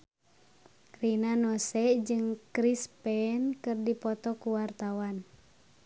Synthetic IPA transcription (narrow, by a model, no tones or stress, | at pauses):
rinanɔsɛʔd͡ʒɨŋkɾispɛnkɨrdipɔt̪ɔkuwart̪awan